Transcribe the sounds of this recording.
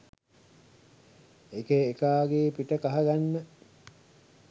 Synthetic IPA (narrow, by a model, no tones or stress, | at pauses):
ekeːkaːɡeːpiʈəkaɦaɡanːə